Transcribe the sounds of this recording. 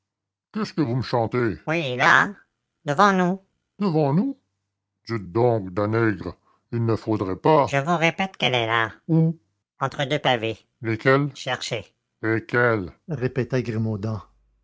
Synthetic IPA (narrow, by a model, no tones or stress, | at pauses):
kʲɛskəvuməʃɑ̃t̪ewila̰ | d̪əvɑ̃nu | d̪̥əvɑ̃nu | d̪yt̪̚d̪ɔ̃k̚d̪anɛɡʁ | ilnəfod̪ʁɛpaʒəvuʁepɛt̪kɛlɛlau | ɑ̃t̪χəd̪øpave | lekʲɛlʃɛʁʃe | lekʲɛlʁepet̪aɡʁimod̪ɑ̃